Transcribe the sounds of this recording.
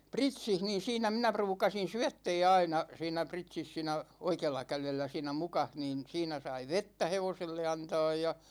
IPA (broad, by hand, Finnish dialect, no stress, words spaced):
pritsih niːn̞ siːnæ minæ pruːkɑsin̞ syætːɛː ɑinɑ siːnˑæ pritsis siːnæ oikeːlːɑ kælelːæ siːnæ mukɑh niːn̞ siːnæ sɑi ʋetːæ heʋoselːe ɑntɑːj jɑ